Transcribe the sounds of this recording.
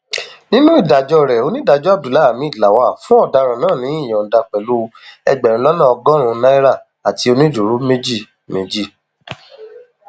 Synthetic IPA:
nĩ˦nũ˦i˦˨da˨d͡ʒɔ˧ɾɛ˨o˧nĩ˦da˧d͡ʒɔ˦a˦˨du˨la˨˦˨mĩ˨˦i˦˨la˨wa˨fũ˦ɔ˦˨da˧ɾ̃ã˨nãː˦˨nĩ˨˦ĩ˦˨j̃ɔ̃˨da˧k͡pɛ˨lu˦˧ɛ˧ɡ͡bɛ˨ɾ̃ĩ˧lɔ˦nã˦˨ɔ˧ɡɔ̃˦ɾ̃ũ˧nã˦i˦ɾa˦˨ | a˨ti˧˦o˧nĩ˦du˨ɾu˨˦me˦d͡ʒi˦˨ | me˨d͡ʒi˦˨

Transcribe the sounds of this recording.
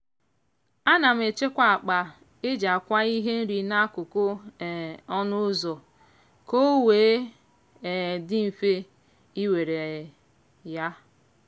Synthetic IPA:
a˦na˨m̩˦e˨t͡ʃe˦kʷa˦˨a˨k͡pa˨ | ɪ˦d͡ʒa˨kʷa˦i˦ɦe˦n̩˦ɾi˨na˦kʊ˨kʊ˦˨ | ɔ˦nʊ˦zɔ˨ | ko˦weː˨˦ | e˨dɪ˦m̩˨fe˦ | i˦we˨ɾe˨ | ja˦

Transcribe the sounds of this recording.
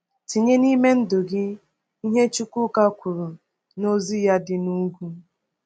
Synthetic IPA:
ti˨ɲe˦ni˦me˦n̩˦dʊ˨ɡɪ˦ | i˦ɦe˦t͡ʃu˦kʷʊ˦ka˦kʷu˨ɾʊ˨ | no˦zi˦ja˦dɪ˨nu˦ɡʷu˦

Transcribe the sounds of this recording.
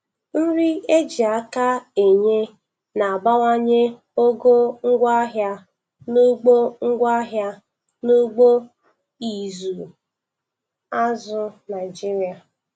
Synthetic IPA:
n̩˦ɾi˦e˦d͡ʒi˨a˦ka˦e˨ɲe˦ | na˨a˨ba˦wa˦ɲe˦ | o˦ɡo˦ŋ̩˦ɡʷa˦ɦja˦ | nu˦ɡ͡bo˦ŋ̩˦ɡʷa˦ɦja˦ | nu˦ɡ͡bo˦ | i˨zu˨ | a˦zʊ˨na˨ɪ˨d͡ʒi˦ɾi˦a˨

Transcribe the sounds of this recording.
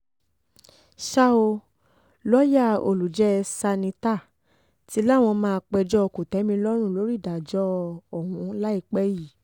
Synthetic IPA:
ʃa˦o˧ | lɔ˦ja˦˨o̰˧˨lu˨d͡ʒɛ˦˧sa˧nĩ˧ta˦˨ | ti˧˦la˦˨w̃ɔ̃˧mãː˧k͡pɛ˧d͡ʒɔ˦ɔ˧ku˨tɛ˨˦mĩ˧lɔ˦ɾ̃ũ˦˨lo˨˦ɾi˦˨da˨d͡ʒɔ˦ɔ˨ɦũ˨˧˦la˦i˦˧˨k͡pɛ˦ji˦˨

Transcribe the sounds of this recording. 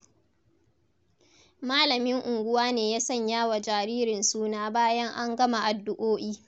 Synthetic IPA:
maː˦lɐ˨mɪ˦ŋʔʊ˨ŋɡʷʊ˦waː˦neː˨jaː˦sɐ˦˨ɲjaː˦wa˨d͡ʒaː˨ɾiː˦ɾɪ˨nsuː˦naː˦baː˦jɐ˦ŋʔa˦ŋɡɐ˦ma˨ʔa˨dːʊ˦ʔoː˦ʔiː˦

